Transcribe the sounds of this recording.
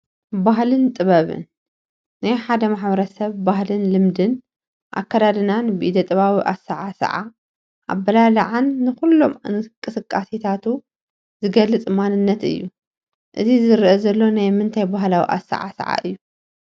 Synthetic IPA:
baɦlɨnt̪ʼɨβɐβɨ̰nː | ajħad̪ɐmaħbɐɾɐsɐβːahlɨnlɨmd̪ɨn | ʔa̰kːɐd̪ad̪ɨnanbɨʔid̪ɐt̪ʼɐβawiʔasa̰ʕasɐ̰ʕa̰ | ʔa̰bːɐlalɐ̰ʕanːɨxulːo̞mkʼːɨsɨkʼːasit̪ʰat̪ʰu | zɨɡɐlːɨt͡sʼɨmanɨnːɐt̪ɨ̰jːu | ʔɨzizɨɾʔozɐlːo̞najmɨnt̪ʰajbaɦlawḭʔa̰sːa̰ʕa̰sɐ̰ʕa̰ʔɨ̰jːu

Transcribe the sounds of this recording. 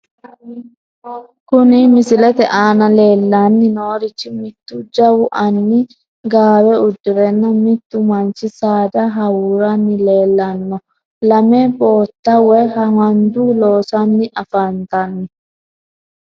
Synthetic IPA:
kʊnɪmɪsɪlɛt̪ɛʔaːnɐle̞ːlːanːɪnoːɾɪt͡ʃːɪmɪt̪ːʊd͡ʒɐwʊʔɐnːɪ | ɡaːwɛʊd̪ːɪɾɛnːɐmɪt̪ːʊmɐnt͡ʃɪsaːd̪ɐɦɐwuːɾɐnːɪle̞ːlːɐnːɔ | lɐmɛbo̞ːt̪ːɐwɛɦɐwɐnd̪uloːsɐnːɪʔɐfɐnt̪ɐnːɪ

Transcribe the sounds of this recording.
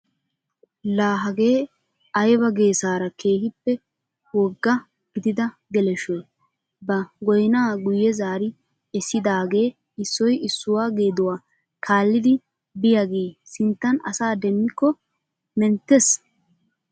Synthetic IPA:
laːɦɐɡe̞ː | ɐjbɐɡe̞ːsaːɾɐkʰeːhɪpːɛ | wɔɡːɐ | ɡ̥ɪd̪ɪd̪ɐ | ɡɛlɛʃɔj | bɐɡɔjnaːɡʊjːɛzaːɾɪ | ɛsːɪd̪aːɡe̞ː | ɪsːɔjɪsːʊwaːɡe̞ːd̪ʊwaː | kʰaːlːɪd̪ɪ | bɪjaɡe̞ːsɪnt̪ːɐnɐ̰saːd̪ɛmːɪkːɔ | mɛnt̪ːɛs

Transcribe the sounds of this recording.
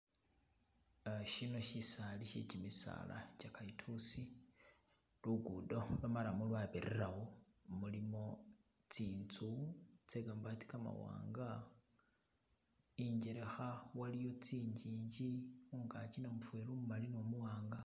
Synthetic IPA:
ʃino̞ʃisaliʃḛcimisa̰la̰t͡ʃakaitʰusi | luɡudo̞lamalamulwaβeɾeɾaɣo | mulimo̞ | t͡siːnt͡sut͡seɡambati̥kama̰wa̰ːŋɡa | iɲɟeɾe̞xawalijo̞t͡siːɲd͡ʒiːɲɟiuŋɡat͡ʃinamufuelumumalinomuwaːŋɡa

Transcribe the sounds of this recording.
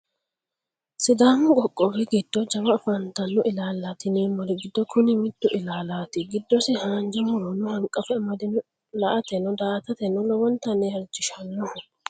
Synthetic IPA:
sɪd̪aːmʊɡʼɔkʼːɔbɛɡɪd̪̥ːɔd͡ʒɐmɐfɐnt̪ɐnːʊʔɪlaːlːat̪ɪneːmːɔɾɪɡɪd̪ːɔkʰʊnɪmɪt̪ːʊʔɪlaːlaːt̪ɪɡɪd̪ːɔsɪhaːnd͡ʒɛmʊɾɔnːʊhɐŋkʼːɐfɛmɐd̪ɪnʊ | lɐʔɐt̪ɛnɔd̪aːt̪ɐt̪ɛnːɔlɔwɔnt̪ɐnːehɛɾd͡ʒɪʃɐnːɔ

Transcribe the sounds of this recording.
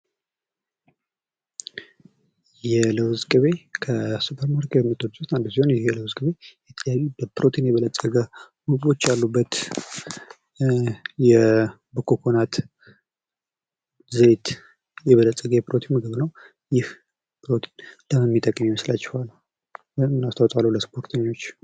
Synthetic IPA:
jɛləwzɡɨβe̞kʰəsupʰəɾmaɾkɛmɨt̪ʼːoɾot̪and̪usiho̞njɛjɛləwzɡɨβe̞jɛt̪ʼljaβibəpɨɾʔo̞t̪ʰinjɛβələt̪ʼːəɡə | mɨɡɨβo̞t͡ʃːjalːubːət̪ | jɛ | bəkʰokʰo̞nat̪ | zɨet̪ | jɛβələt̪ʼːəɡəjɛpɾo̞t̪ʰinmɨɡɨβnəw | jɪh | pʰɨɾo̞t̪ʰinləmɨnmːit̪ʼəkʼːəmjiməslat͡ʃːɛ̥hal | bmːɨnast̪ʰawt̪ʼalːələspʰo̞ɾt̪ʰəɲːo̞t͡ʃː

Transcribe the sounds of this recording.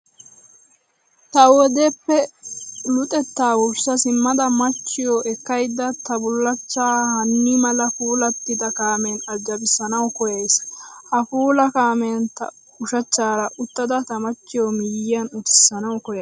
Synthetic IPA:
t̪ɐwɔd̪epːɛ | lʊt̪ʼɛt̪ːaːwʊɾsɐsɪmːɐd̪ɐmɐt͡ʃːɪjɔʔɛkːɐjd̪ːɐt̪ɐbʊlːɐt͡ʃːaːhɐnːimɐlɐfuːlɐt̪ːɪd̪ɐkaːmeːnɐd͡ʒːɐbɪsːɐnɐwkɔjɐjshɐfuːlɐkaːment̪ɐ̰ | ʊʃɐt͡ʃːaːɾɐʔʊt̪ːɐd̪ɐt̪ɐmɐt͡ʃːɪjomɪjɪjɐnʊt̪ɪ̥sːɐnɐwkɔjɐ

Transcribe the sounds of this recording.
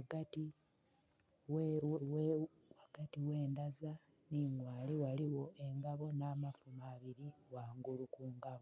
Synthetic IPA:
waɡati | wew | waɡ̥atiwe̞ːndaza | niɲwaːliwaliwo̞ʔe̞ŋɡaβo̞naːmafumaβiɾiɣwaːŋɡulukuːŋɡaβo

